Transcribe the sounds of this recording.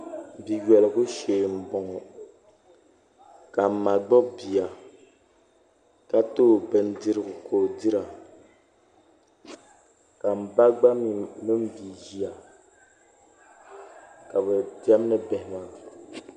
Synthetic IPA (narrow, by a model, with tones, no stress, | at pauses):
bi˨jɛ˨lɨ˨ɣu˦ʃeː˨m̩˨bɔ˨ŋɔ˨ | ka˨m̩˨ma˨ɡ͡bɔ˦bi˨a˨ | ka˦to˦˨bɛ˨n˦dɨ˦ɾɨ˦ɡʊ˨kʰoː˨dɨ˦ɾa˨ | ka˨m̩˨ba˦ɡ͡ba˦mi˨nɨ˦m̩˦bi˨ʒi˦a˨ | ka˨bɛ˨di˦ɛ˦m˦nɨ˦bɛ˨hɪ˨ma˨